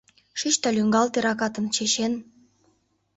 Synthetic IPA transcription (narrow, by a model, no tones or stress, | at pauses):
ʃiʃt̪ɑlʲyŋɡɑlt̪eɾɑkɑt̪ə̆nt͡ɕeɕen